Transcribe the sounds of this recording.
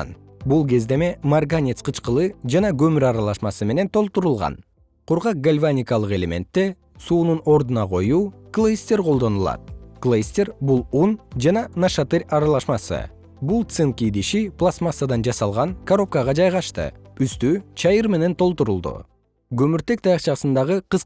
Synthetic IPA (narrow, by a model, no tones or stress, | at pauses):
n | bulˠɡe̞zd̪e̞me̞marɡanʲesqɯt͡ʃqɯlˠɯd͡ʒɑnɑɡø̞myɾɑɾɑlˠɑʃmɑsɯme̞ne̞nt̪ʰo̞lˠt̪uɾulˠʁɑ̰n | qʰuɾʁɑq̚ɡalʲvanʲikɑlˠɯqe̞lʲe̞mʲe̞̰nt̪ːe̞ | suːnuno̞ɾd̪unɑqo̞juːklˠejsʲt̪ʲeɾqo̞lˠd̪o̞nulˠɑ̰t̪̚klˠesʲt̪ʲeɾbulˠund͡ʒɑnɑnaʃat̪ɨɾʲɑɾɑlˠɑʃmɑsɯ̰ | bulˠt̪sɨnkʲid̪iʃiplˠasmasad̪ɑnd͡ʒɑsɑlˠʁɑŋkaɾo̞p̚kɑʁɑd͡ʒɑjʁɑʃt̪ɯ̰yst̪yt͡ʃʰɑjɯɾme̞ne̞nt̪ʰo̞lˠt̪uɾulˠd̪ṵ | ɡɵ̞myɾt̪e̞k̚t̪ʰɑjɑqt͡ʃɑsɯnd̪ɑʁɯqɯs